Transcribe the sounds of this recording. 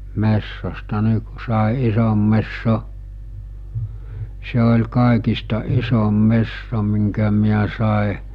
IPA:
mesːostɑ ni ku sɑˑe isom mesːo se olʲ kɑˑekistɑ isom mesːo miŋkæ miæ sɑˑe

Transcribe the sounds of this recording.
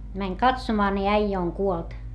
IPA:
mæŋ kɑtsomɑː ni æijæ oŋ kuolt

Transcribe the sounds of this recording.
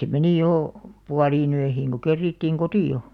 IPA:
se meni joˑ puɑliːn øihiːŋ ko kerːiˑtːiːŋ kotio

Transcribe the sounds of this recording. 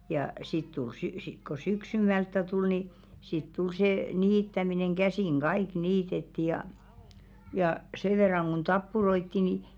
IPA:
jɑˑ sit tul sy sik ko syksymˑæltːæ tul ni sit tul seː niːtːæmineŋ ɡ̊æsiˑŋ ɡ̊ɑiˑk niːtetːi jɑˑ jɑˑ se ʋerːɑŋ ɡ̊un tɑpːuroitːi ni

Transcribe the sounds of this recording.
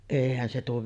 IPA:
eˑihæn se tuo

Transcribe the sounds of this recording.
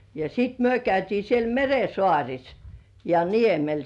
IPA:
jɑ sit myø kæytiː siel mere sŏɑˑrʲis jɑ niemel

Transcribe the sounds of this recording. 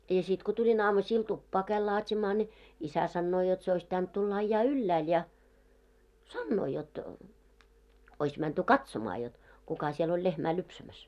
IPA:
jɑ sit ko tulʲin ɑːmusiːl tupːɑː kæil lɑːtʲimɑː nʲi isæ sɑnːoː jot se ois pitænt tulːɑ ɑĭjːɑː ylːæːl jɑ sɑnːoː jot ois mænty kɑtsomɑː jot kukɑ siel olʲ lehmæː lypsæmæs

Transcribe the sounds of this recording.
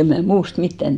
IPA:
em mæː muːst mitːæn

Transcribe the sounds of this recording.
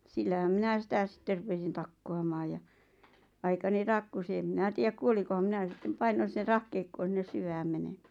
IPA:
silːæhæm minæ sitæ sĭtːer rupesin tɑkːoɑmɑːj jɑ ɑikɑni tɑkːusi em mĭnæ tiæk kuoliko ʋ̆ɑ̆m̆ m̆ĭnæ sitːem pɑinon̞ s̆ĭnˑĕr̆ rɑhkeikːoːn̞ sinːes syʋæːm menemæ̥ː

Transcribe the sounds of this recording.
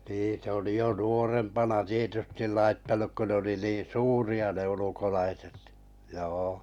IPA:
niː se oli jo nuorempɑnɑ tietystil lɑitːɑnuk ko ne oli niːn suːriɑ ne ulukolɑiset joː

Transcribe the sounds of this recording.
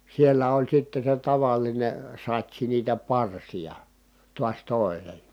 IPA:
sielːæ olʲ sitːe se tɑʋɑline sɑtʲsi niːtæ pɑrsijɑ tuɑs toˑi̯nen̞

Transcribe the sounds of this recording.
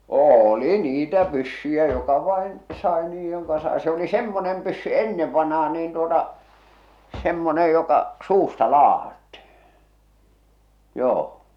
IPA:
oːli niːtæ pysːyjæ jokɑ ʋɑˑen sɑˑe niːj jokɑ sɑe se oli semːonem pysːy enːeʋ ʋɑnh̞ɑː niːn tuotɑ semːonej jokɑ suːstɑ lɑːhɑtːihi̥ joː

